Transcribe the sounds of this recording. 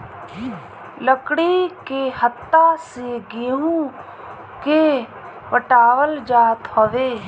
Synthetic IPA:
ləkɽikehət̪ːaseɡeũ | ke | pəʈaːwəld͡ʒaːt̪ɦoʋeː

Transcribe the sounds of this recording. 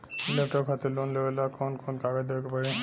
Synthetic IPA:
lɛk̚ʈɔkʰɦat̪elonleɡelakɔnkɔnkaɡad̪ekepaɾe

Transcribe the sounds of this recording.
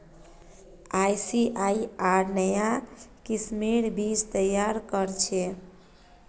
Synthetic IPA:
ajsiʔaiaɾnəjakismeɽbid͡ʒt̪əjaɾkəɾt͡ʃʰɛ

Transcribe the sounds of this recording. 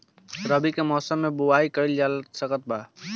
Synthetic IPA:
ɾəbikemɔːsəmːẽbʊwaːikəɾild͡ʒalsəkət̪̚bʱaː

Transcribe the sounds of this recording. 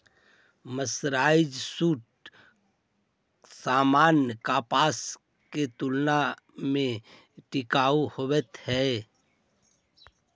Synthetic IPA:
məsɾaːɪd͡ʒsuːʈ̚ | saːmaːnkaːpaːs | ket̪ulna | mẽ | ʈɪkaːuhowət̪hɛː

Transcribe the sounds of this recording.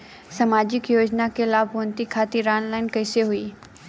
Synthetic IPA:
sɐmaːd͡ʒɪkjoːd͡ʒnakelaːbont̪ikʰaːt̪iɾaːnlaːɪnkɐɪseɦʊiː

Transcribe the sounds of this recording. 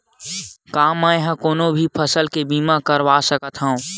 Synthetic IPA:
kaːmːə̃ɦə̃koːnobʱipʰəsəlkebiːmakəɾʋasəkət̪ɦəũ

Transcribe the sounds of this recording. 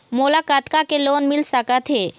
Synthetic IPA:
molakat̪kakeloːnmilsakat̪ʰe

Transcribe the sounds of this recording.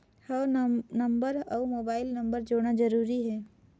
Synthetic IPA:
hɐnɐmbəɾawmoːbaːɪlnɐmbəɾd͡ʒoːɽñad͡ʒɐɾuːɾiɦɛː

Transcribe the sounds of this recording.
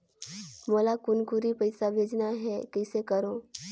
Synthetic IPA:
moːlakʊnkʊɾipɐɪsabʱeːd͡ʒnaɦɛkɐɪsekəɾõː

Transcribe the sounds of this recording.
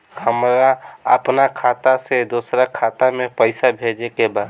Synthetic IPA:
həmɾaə̰pnakʰaːt̪ased̪uːsɾakʰaːt̪amẽpəɪsabʱed͡ʒekebaːd̪

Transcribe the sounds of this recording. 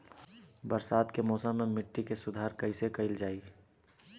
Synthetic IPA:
bəɾsaːd̪kemɔːsəmːẽmɪʈːikesʊd̪ʱaːɾkəɪsekəɪld͡ʒaːi

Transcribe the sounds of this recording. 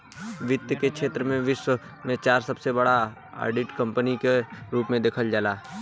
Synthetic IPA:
ʋɪt̪jəkekʰeːt̪ɾəmẽʋɪʃwə | mẽt͡ʃaːɾsɐbsebɐɽa | a̰ːɾɖɪʈkɐ̃mpənikeɾuːpmẽd̪eːkʰəld͡ʒaːlaː

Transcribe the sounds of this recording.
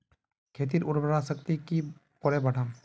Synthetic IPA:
kʰeːt̪̬iɾʊɾbəɾasəkt̪iki | kɔɾebəɽam

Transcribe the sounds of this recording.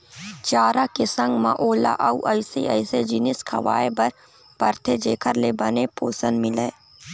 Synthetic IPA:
t͡ʃaːɾakesə̃ŋɡmã̰ʔoːla̰ʔɐuʔɐɪseɐɪsed͡ʒɪnɪskʰɐ̰ʋa̰ːebɐɾ | pɐɾt̪ʰed͡ʒeːkʰəɾlebɐnepoːsənmɪleː

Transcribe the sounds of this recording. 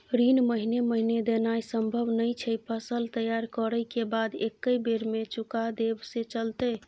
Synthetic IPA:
ɾinməɦineməɦined̪enajsəmbʱəʋnəjt͡ʃʰəpʰəsəlt̪əjaɾkəɾəjkebad̪ekːəjbeɾmet͡ʃukad̪ebset͡ʃəlt̪ə

